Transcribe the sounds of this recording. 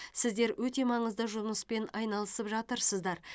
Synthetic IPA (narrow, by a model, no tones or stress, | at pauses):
sɪzd̪e̞ɾwʔɵt̪e̞mɑɴəzd̪əʒʊməspe̞nɑjnɑlˠəsəpʒɑt̪əɾsəzd̪ɑɾ